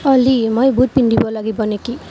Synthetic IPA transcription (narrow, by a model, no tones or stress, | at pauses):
ʌlimʌjbud̪̚pinɖibʌlaɡibʌneki